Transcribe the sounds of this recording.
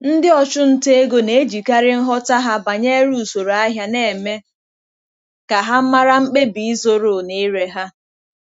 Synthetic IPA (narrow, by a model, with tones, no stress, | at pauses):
n̩˦dɪ˦ɔ˨t͡ʃʊ˦n̩˦te˦e˦ɡo˦ne˨˦d͡ʒi˨ka˦ɾɪ˦n̩˦ɦɔ˦ta˦ɦa˦ba˨ɲe˦ɾu˦˨so˨ɾa˦ɦja˦ne˨me˦ | ka˨ɦa˦m̩˦ma˦ɾa˦ŋ͡m̩˦k͡pe˦bi˨i˦zo˦ɾo˨ne˦ɾe˦ɦa˦